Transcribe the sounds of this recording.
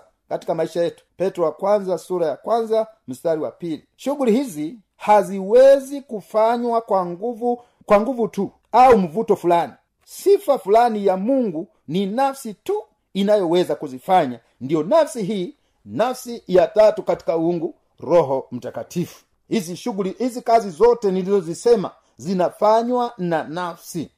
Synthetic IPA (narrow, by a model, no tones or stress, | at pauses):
katikamaiʃajɛtu̥pɛtɾɔakwanzasuɾajakwanzam̩staɾiwapiliʃuɡulihizi | haziwɛzikufaɲwakwaŋɡuvu | kwaŋɡuvutu | aum̩vutɔfulani | sifafulanijamuŋɡu | ninafsitu | inajɔwɛzakuzifaɲa | ndijɔnafsiɦiː | nafsijatatukati̥kauuŋɡu | ɾɔɦɔm̩takatʰifu̥ | iziʃuɡuliʔizikazizɔtɛnilizɔzisɛma̰ | zinafaɲwananafsi